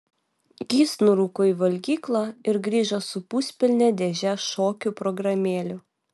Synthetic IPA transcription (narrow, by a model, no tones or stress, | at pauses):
ɡʲiːsnʊɾuːkoːiːʋɐlʲɡʲiːklˠɑɪɾɡɾʲiːʒɐsʊpʊsʲpʲɪlʲnʲɛd̪ʲeʒʲɛʃoːkʲʊpɾɔɡɾɐmʲeːlʲʊ